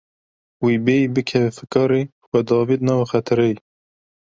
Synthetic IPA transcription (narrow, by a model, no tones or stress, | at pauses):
wiːbeːbɨkʰɛvɛfɨkɑːɾe | xɛd̪ɑːviːd̪nɑːwxɛt̪ʰɨɾɛj